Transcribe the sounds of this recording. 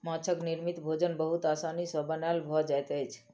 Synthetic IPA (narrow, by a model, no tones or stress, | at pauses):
mãt͡ʃʰəkniɾmit̪bʱod͡ʒənbəɦut̪asanisəbənalbʱɔd͡ʒajt̪jt͡ʃʰ